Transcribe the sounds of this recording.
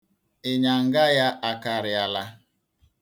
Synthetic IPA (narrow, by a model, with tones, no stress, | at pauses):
ɪ˨ɲa˨ŋ̩˨ɡa˦ja˦ʔa˨ka˨ɾɪ˨a˨la˦